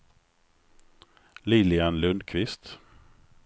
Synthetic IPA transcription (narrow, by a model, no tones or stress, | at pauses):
liːlɪanlɵnd̪kʰvɪst̪